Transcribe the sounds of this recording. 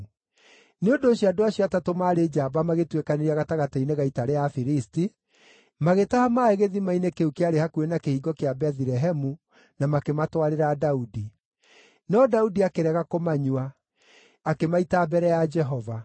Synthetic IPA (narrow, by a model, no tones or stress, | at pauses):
neondoːɕiadoaɕjɔatatomaːɾed͡ʒaːbamaɣetwekaneɾiaɣataɣataineɣaitaɾeafiɾisti | maɣetahamaeɣeðimainekeukeaɾehakuenakehiːɡɔkeabɛðiɾɛɦɛmu | namakematwaɾeɾadaudi | nɔdaudiakeɾɛɣakomaɲwaː | kemaitaːbɛɾɛjad͡ʒɛɦɔva